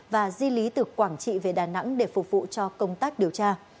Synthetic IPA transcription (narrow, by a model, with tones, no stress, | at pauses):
vaː˨˩zwi˧li˨˦t̪ɨ˨˩kwaː˧˩ŋt͡ɕḭ˧˨ve˨˩ɗaː˨˩na̰˧˥ŋɗe˧˩fʊ˨˩k͡p̚vṵ˧˨t͡ɕɔ˧kə˧wŋ͡mt̪aː˦˥k̚ɗi˨˩əwt͡ɕaː˧